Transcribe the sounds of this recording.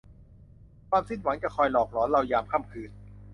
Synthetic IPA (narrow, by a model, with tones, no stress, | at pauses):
kʰwaː˧msi˥˩nwa˩˦ŋt͡ɕa˨˩kʰɔː˧jlɔː˨˩k̚lɔː˩˦˥nɾa˧wjaː˧mkʰaː˥˩mkʰɯː˧n